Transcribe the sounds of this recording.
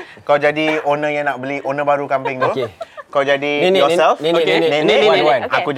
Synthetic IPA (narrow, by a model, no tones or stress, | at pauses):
kaawd͡ʒadionə̃jaŋnaʔbəlionə̃baɾukampɪŋt̪ukawd͡ʒadinɔsɛlnẽnĩakud͡ʒ